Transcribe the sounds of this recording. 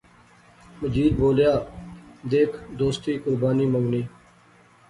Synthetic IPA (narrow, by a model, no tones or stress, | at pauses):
məd͡ʒiːd̪̚boːljaːd̪eːkʰd̪oːst̪iːkʊɾbaːniːməʋniː